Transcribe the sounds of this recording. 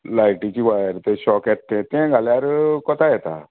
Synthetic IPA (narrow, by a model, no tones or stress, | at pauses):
laiʈit͡ɕiʋajəɾt̪eɕɔkɛt̪ːẽt̪ɛ̃ɡʱaleaɾkɔt̪ajɛt̪a̰